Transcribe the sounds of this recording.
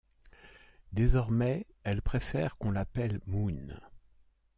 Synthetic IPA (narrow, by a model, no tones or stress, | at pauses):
d̪ezɔʁmɛ | ɛlpχefɛʁkɔ̃lapɛlmun